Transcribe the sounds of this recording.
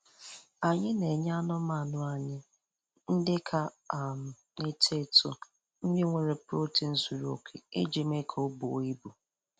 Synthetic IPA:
a˨ɲɪ˦ne˨ɲ˦a˦nʊ˦ma˨nʊ˦a˨ɲɪ˦ | n̩˦dɪ˦kʰa˦ | a˨m̩˨ | ɪ˦te˦˨tʊ̰˨ | m̩˦je˦ŋʷe˦˨ɾe˨pɾo˦tɪ˨n̩˦zu˨ɾu˨o̰˨kʰe˨e˦d͡ʒe˨me˦kʰo˦bo̰˨˦i˦bu˨

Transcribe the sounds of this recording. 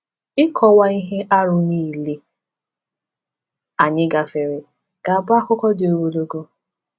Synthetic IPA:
ɪ˦kʰɔ˨wa˦i˦ɦe˦ʔa˦ɾʊ˨niː˦˨le˦ | a˨ɲɪ˦ɡa˨fe˨ɾɪ˨ | ɡ̥a˨ba˦kʊ˦kɔ˦dɪ˨o˨wo˨lo˦ɡo˦

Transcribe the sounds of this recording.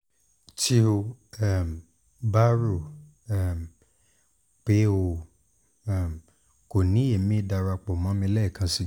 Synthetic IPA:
ti˦o˧˨m˨ | ba˦ɾo˦˨ | m | k͡pe˨˦o˧˨ | m˨ | ko˨nĩ˨˦e˨mĩ˦˧˦da˧ɾa˧k͡pɔ˨mã˨˦mĩ˧˦lɛ˦i˦˨kã˧˦si˦˨

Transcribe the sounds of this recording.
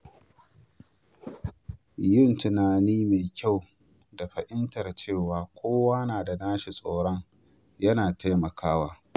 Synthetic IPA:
jʊ˦˨ntʊ˨naː˨niː˦me˨kʲa˦˨w | da˨ɸɐ˨ʔɪ˦ntɐ˨rt͡ʃeː˦˨waː˨kʷʰoː˦waː˦naː˨da˨naː˦ʃi˨sʼoː˨ɽɔ˦ŋ | jɐ˦naː˨tʰa˦jmɐ˨kʰaː˦waː˦

